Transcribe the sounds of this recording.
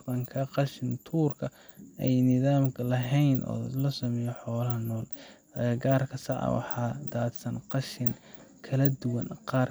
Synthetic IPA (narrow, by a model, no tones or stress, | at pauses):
qɑŋkʰɐqɑʃɪnt̪ʰuːrkʰɐ | ɛjnɪðaːmkʰɐlɐɦɛjnʔɔ̰ːlɐsɐmɛjɔħɔːlɐɦɐnɔːl | ɡaːrkʰɐsɑʕɑ̰wɑ̰ħɑːd̪aːd̪sɐnqɑʃɪnkʰɐlɐd̪ʊwɐnqɑːr